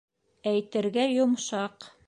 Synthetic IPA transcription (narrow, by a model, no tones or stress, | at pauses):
æjt̪ɘ̆ɾɡæjŏmʃɑq